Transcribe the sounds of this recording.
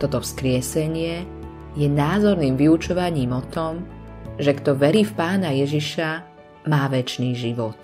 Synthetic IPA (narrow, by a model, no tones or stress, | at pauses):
t̪ɔt̪ɔfskɾɪɛsɛɲɪɛ | jɛnaːzɔɾniːmʋiut͡ʃɔʋaɲiːmɔt̪ɔmʒɛɡt̪ɔʋɛɾiːfpaːnajɛʒiʃa | maːʋɛt͡ʃniːʒiʋɔt̪̚